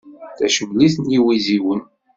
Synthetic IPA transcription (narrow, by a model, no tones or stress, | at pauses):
θæʃəvliθnjiwiziwən